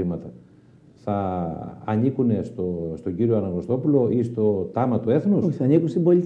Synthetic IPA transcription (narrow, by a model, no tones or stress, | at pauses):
imɐt̪ɐ | θɐː | nikune̞st̪ost̪o̞ɟiɾio̞ɐnɐŋɣo̞st̪o̞pulo̞ist̪o̞t̪ɐmɐt̪ue̞θnuoçiθɐnikunsimbo̞li